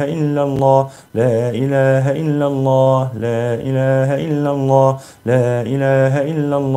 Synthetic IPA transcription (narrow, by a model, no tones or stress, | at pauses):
aʔɪlːalˤːɑː | laːʔɪlaːɦaʔɪlːalˤːɑːlaːʔɪlaːɦaʔɪlːalˤːɑː | laːʔɪlaːɦaʔɪlːalˤː